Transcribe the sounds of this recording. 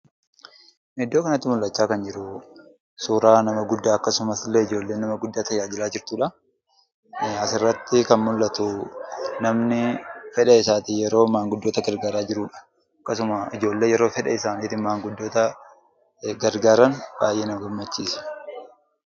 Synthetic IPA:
mɪd̪ːoːkɐnɐt̪ːɪmʊlːɐt͡ʃːaːkɐnd͡ʒɪɾʊ | suːɾaːnɐmɐɡʊd̪ːaːɐkːɐsʊmɐslːeɪd͡ʒo̞ːlːe̞ːnːɐmɐɡʊd̪ːaːt̪ɐjaːd͡ʒɪlaːd͡ʒɪɾt̪uːᶑɐ | ɐsɪrːɐt̪ːɪkɐnmʊlːɐt̪ʊ | nɐmnɪfɛᶑɐɪsaːt̪ɪjɛɾo̞ːmaːŋɡʊd̪ːoːt̪ɐɡɐɾɡaːɾaːd͡ʒɪɾuːᶑɐ̥ | ɐkːɐsʊmɐɪd͡ʒo̞ːlːe̞ːjɛɾo̞ːfɛᶑɐɪsaːniːt̪ɪmaːŋɡʊd̪ːo̞ːt̪ɐ | ɡɐɾɡaːɾɐnbaːjʔe̞ːnɐɡɔmːɐt͡ʃːiːsɐ̥

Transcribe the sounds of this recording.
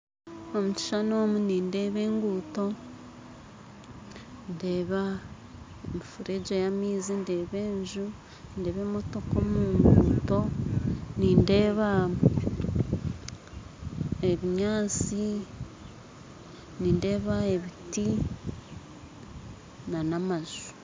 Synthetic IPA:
omuci̥ʃanomuniːnde̞ːβe̞ːŋɡuːto̞ | ndeːβa | emifuɾeɟejamiːzinde̞ːβe̞ːɲʒu | nde̞βeːmo̞to̞komuːŋɡuːto̞ | niːndeːβa | eβiɲaːt͡si | niːnde̞ːβaeβiti | nanamazu̥

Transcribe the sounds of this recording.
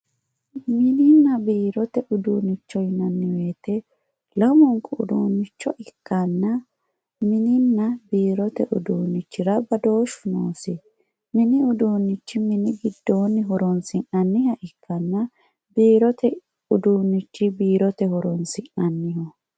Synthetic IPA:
mɪnɪnːɐbiːɾɔt̪ɛʔʊd̪uːnɪt͡ʃːɔjnɐnːɪweːt̪ɛ | lɐmɔŋkʼʊ̰d̪uːnːɪt͡ʃːɔʔɪkːɐnːɐ | mɪnɪnːɐbiːɾɔt̪ɛʔʊd̪uːnɪt͡ʃːɪɾɐbɐd̪o̞ːʃʊnoːsɪ | mɪnɪʊd̪uːnɪt͡ʃːɪmɪnɪɡɪd̪ːo̞ːnɪɦɔɾɔnsɪŋʔɐnːɪhɐʔɪkːɐnːɐ | biːɾɔt̪ɛ | ʊd̪uːnːɪt͡ʃːɪbiːɾɔt̪ɛhɔɾɔnsɪŋʔɐnːɪhɔ

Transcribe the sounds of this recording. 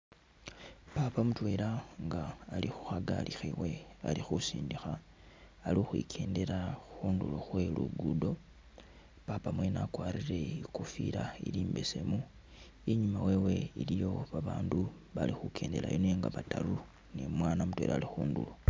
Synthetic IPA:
papamutwe̞ːɾaŋɡaːlixu̥xaɡa̰lixiwe̞alixusiːndixaː | lixwḭkʰe̞ːnde̞ɾaxuːnduloxwe̞lṵɡudo̞ | papamwe̞nakwaːɾiɾe̞ikufiɾaḭliːmbese̞mu | iɲumawe̞we̞ilijo̞βaβaːndu | βalixukʰe̞ːnde̞la̰joneŋɡa̰βataɾu | nḛmwaːnamutwe̞ːɾʔa̰ːlixuːndṵlo

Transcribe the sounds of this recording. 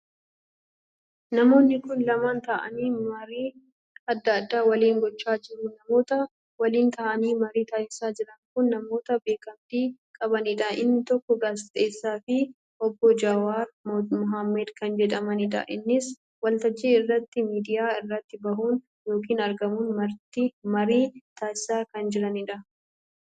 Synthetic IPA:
nɐmo̞ːnːɪkʊnlɐmant̪ɐʔɐ̰niːmɐɾiː | ɐd̪ːɐːd̪ːaːwɐliːŋɡɔt͡ʃːaːd͡ʒɪɾunɐmo̞ːt̪ɐ | wɐliːnt̪aːʔɐniːmɐɾiːt̪ɐʔɪsaːd͡ʒɪɾɐŋkʊnːɐmo̞ːt̪ɐbe̞ːkɐmt̪iːkʼɐbɐnɪᶑɐʔɪnːɪt̪ɔkːɔɡaːsɪt̪ʼeːsːaːfɪ | ʔɔbːɔd͡ʒawaːɾmʊɦamːɛd̪kɐnd͡ʒɛᶑɐmɐnɪᶑ̪ɐ̰ʔɪnːɪs | wɐlt̪ɐd͡ʒːiːɪrːɐt̪ːɪmiːd̪ɪjaːɪrːɐt̪ːɪbɐɦuːn | jo̞ːk̬iːnɐɾɡɐmuːnmɐɾt̪ɪmɐɾiːt̪ʰaːsɪsaːkɐnd͡ʒɪɾɐnɪᶑɐ

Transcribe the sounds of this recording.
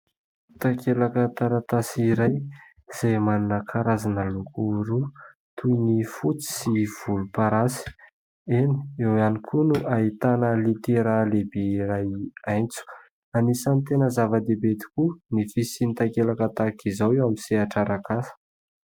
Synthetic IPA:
t̪akelakət̪aɾat̪asiɾaj | z̥ejmanunəkʰaɾazanəlukuɾu | t̪ʰujnifut͡si̥siv̥ulupaɾasi̥ | eni̥ewanikʰunuʔaɦit̪anəlit̪eɾalebeiɾajajnt͡su̥ | anisanit̪enəzavəd̪ebet̪i̥kunifisinit̪akelakat̪akizawewamiseaʈ͡ʂaɾakasə̥

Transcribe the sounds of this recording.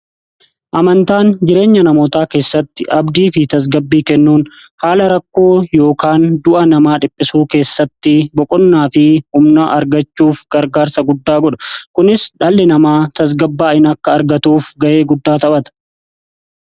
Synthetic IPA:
ʔɐmɐnt̪aːnd͡ʒɪɾe̞ːɲːɐnɐmoːt̪aːke̞ːsːɐt̪ːɪʔɐbd̪iːfɪt̪ɐs̬ɡɐbːiːkɛnːuːn | haːlɐɾɐkːoːjo̞ːkaːnd̪ʊʔɐnɐmaːᶑɪpʼːɪsuːke̞ːsːɐt̪ːɪbɔkʼɔnːaːfɪhʊmnaːʔɐɾɡɐt͡ʃːuːfɡ̥ɐɾɡaːɾsɐɡʊd̪ːaːɡɔᶑɐ̥kʊnɪsᶑɐːlːɛnɐmaːt̪ɐs̬ɡɐbːaːɪnɐkːɐːɾɡɐt̪uːfɡɐʔe̞ːɡʊd̪ːaːt̪ɐbɐt̪ɐ̥

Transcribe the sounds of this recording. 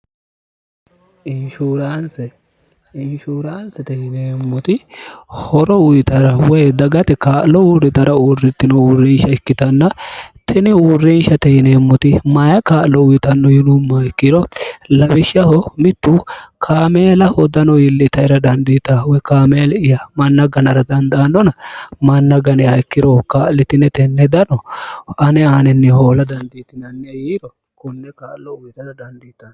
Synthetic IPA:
ɪnʃuːɾaːnsɛ | ɪʃuːɾaːnsɛt̪ɛhɪneːmːɔt̪ɪhɔɾɔʊjɪt̪ɐɾɐwɔjd̪ɐɡɐt̪ɛkaːʔlɔuɾɪt̪ɐɾɐuːrɪt̪ːɪnɔʊrɪnʃɐɪkːɪt̪ɐnːɐt̪ʰɪnɪurɪnʃɐt̪ɛhɪneːmːɔt̪ɪmɐjɐkaːʔlɔʊjɪt̪ɐnːɔjɪlumːɐɪkːiɾɔlɐbɪʃɐhɔmɪt̪ːuːkʰaːmeːlɐhɔd̪ɐnɔjɪlːɪt̪ɐjɾɐd̪ɐnd̪it̪awɛkaːmeːlɪjɐmɐnːɐɡɐnɐɾɐd̪ɐnd̪ɐːnːɔnɐmɐnːɐɡɐnɛɐjkːɪɾɔkaːʔlɪt̪ɪnːɛt̪ɛnːɛd̪ɐnɔɐnɛaːnɛnːɛho̞ːlɐd̪ɐnd̪iːt̪ɪnɐnːɪjɐjiːɾɔ | kʊnːɛkaːʔlɔʊjɪt̪ɐɾɐd̪ɐnd̪iːt̪ːɐn

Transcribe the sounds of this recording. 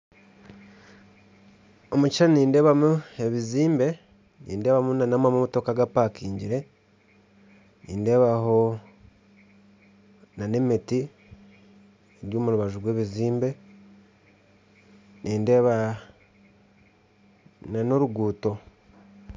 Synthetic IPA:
omucianiːnde̞ːβamue̞βiziːmbe̞ | nḭːnde̞ːβamunanamamumato̞kaɡapakiːɲɟiɾe̞ | niːnde̞ːβaɦo | nane̞miti | eɾjoːmuɾuβaʒuɡwe̞ːβiziːmbe̞ | nʔiːnde̞βa | nano̞ɾuɡuːto̞

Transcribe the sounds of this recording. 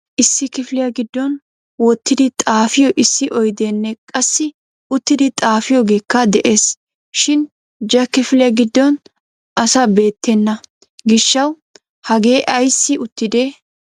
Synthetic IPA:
ʔɪsːɪkɪflɪjɐɡɪd̪ːɔn | wɔt̪ːɪɪt̪ʼaːfɪjɔʔɪsːɪʔɔjd̪eːnːɛkʼɐsːɪ | ʊt̪ːɪd̪ɪt̪ʼaːfɪjɔɡe̞ːkːɐd̪ɛʔeːs | ʃɪn | d͡ʒɐkɪfɪlɪjɐɡɪd̪ːɔn | ʔɐsɐbe̞ːt̪ːɛnːɐ | ɡɪʃːɐw | hɐɡeːʔɐjsːɪʊt̪ːɪd̪e

